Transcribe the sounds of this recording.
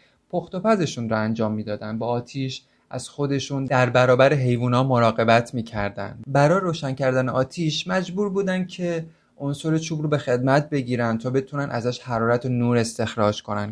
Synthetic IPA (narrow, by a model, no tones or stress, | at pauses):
pʰo̞xt̪o̞pæze̞ʃunɾɒænd͡ʒɒːmːiːd̪ɒːd̪ænd̪̚bɒːt̪ʰiːʃ | ʔæ̰z̥xo̞d̪e̞ʃuːndd̪æɾbæɾɒːbæɾeɦe̞jvuːnɒːmo̞ɾɒːɣe̞bæt̪ʰmiːcʰæɾd̪æ̰ndbæɾɒːjeɾoːʃæncʰæɾd̪æneʔɒːt̪ʰiʃmæd͡ʒbuːɾbuːd̪ænd̪̚cʰe̞ | onsoɾe̞t͡ʃʰuːbɾobe̞xe̞d̪mæt̪̚ʰbe̞ɟiːɾænt̪ʰɒːbe̞t̪ʰunænʔæzæʃhæɾɒːɾæt̪ʰonuːɾe̞st̪e̞xɾɒːd͡ʒkʰo̞næn